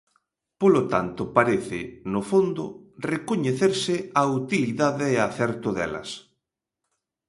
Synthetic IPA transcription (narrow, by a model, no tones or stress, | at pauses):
polot̪a̰nt̪ʊpaɾeθɪ̰nofond̪ʊ̰rekoɲeθeɾsɪaut̪iliðaðeːaθɛɾt̪ʊðɛ̰lɐ̰s